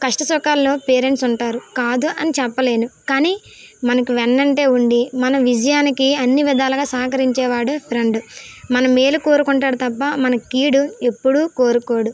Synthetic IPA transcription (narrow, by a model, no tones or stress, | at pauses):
kɐʂʈɐsɔkaːlːo̞ːpe̞ːɾe̞ɳʈsuɳʈaːɾukaːd̪uʔɐnit͡ʃɛpːɐle̞ːnukaːniː | mɐnɐkuʋɛnːɐɳʈe̞ːuɳɖimɐnɐmʋid͡ʒɐjaːnikiɐnːiʋid̪aːlɐɡaːsɐːɐkɐɾiɲt͡ʃɛːʋaːɽupʰɾeɳɖumɐnɐmːeːluko̞ːɾukuɳʈaːɽut̪ɐpːɐmɐnɐkiːɽue̞pːuɽuko̞ːɾuko̞ːɽu